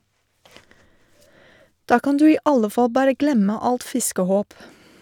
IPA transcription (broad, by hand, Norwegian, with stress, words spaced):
ˈdɑː ˈkɑn ˈdʉː ˈiː ˈɑlə ˈfɑl ˈbɑːɾə ˈɡlɛmə ˈɑlt ˈfɪskəˌhoːp